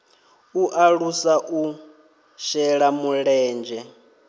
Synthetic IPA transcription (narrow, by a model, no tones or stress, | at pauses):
uʔaɺusaʔu | ʃɛɺamuɺɛːnd͡ʒɛ